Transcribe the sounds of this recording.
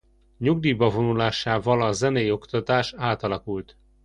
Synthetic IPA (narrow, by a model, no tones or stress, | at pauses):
ɲuɡd̪iːbɒvo̞nulaːʃaːvɒlɒzɛnejo̞kt̪ɒt̪aːʃaːt̪ɒlɒkult̪